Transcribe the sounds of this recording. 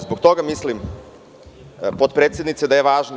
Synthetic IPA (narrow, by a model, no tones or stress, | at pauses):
zbokt̪o̞ɡamislim | pot̪̚pɾeːt̪sʲjed̪nit̪sed̪aje̞ʋaːʒno